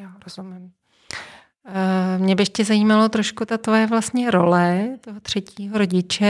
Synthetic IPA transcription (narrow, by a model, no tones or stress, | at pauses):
jaɾozumɪm | mɲɛbɪcɛzajiːmalot̪ɾo̞ʃkut̪at̪vojɛvlast̪ɲɛɾo̞lɛt̪oɦot̪r̝̥ɛciːɦoɾo̞ɟɪt͡ʃɛ